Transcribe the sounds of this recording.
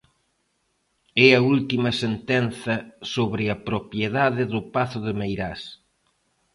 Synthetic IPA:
ɛɐult̪imɐsent̪ɛn̟θɐsoβɾɪɐpɾopjeðaðɪðʊpaθʊðɪmejɾas

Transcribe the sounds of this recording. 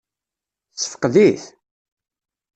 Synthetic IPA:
t͡sːə̥fə̥qðiθ

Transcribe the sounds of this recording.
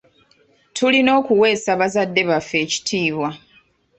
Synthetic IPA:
tʰulino̞ːkuwe̞ːsaβazadːe̞βafːe̞ːci̥tʰiːβwa

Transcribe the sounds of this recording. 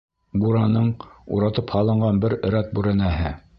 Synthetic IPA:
buɾɑnɤɴṵɾɑt̪ɤphɑlˠɤ̆ɴɢɑnbɘɾɘ̆ɾæt̪̚bʉɾɘ̆næɦɘ

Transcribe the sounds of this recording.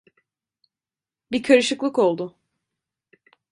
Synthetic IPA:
bikʰaɾɯʃɯklˠɯko̞lˠd̪ʊ

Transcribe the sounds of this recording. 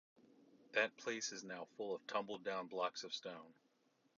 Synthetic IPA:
ðɨt̚pʰl̥eɪsɨznaʊfʊlˠʌv̥tʰʌ̃mbl̩ˠdãʊ̃nblɑksʌv̥stõʊ̃n

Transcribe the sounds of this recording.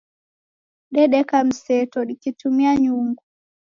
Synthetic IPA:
ɗɛɗɛkam̩sɛtɔɗikitumiaɲuŋɡu

